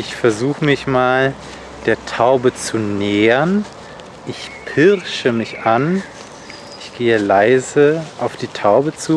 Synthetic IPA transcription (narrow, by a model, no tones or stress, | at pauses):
ʔɪçfɛɐzuːxəmɪçmaːl | d̥eːɐtʰaʊbət͡sunɛːʁən | ʔɪçpʰɪʁʃəmɪçʔan | ʔɪçɡ̥eːəlaɪzəʔaʊfd̥iːtʰaʊbət͡suː